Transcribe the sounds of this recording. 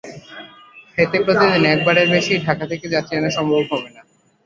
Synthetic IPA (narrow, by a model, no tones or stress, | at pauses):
fet̪epɾot̪ed̪inɛk̚baɽeɾbeʃiɖʱakat̪ʰeked͡ʑat̪ːʰienaʃɔmbobɦɔbena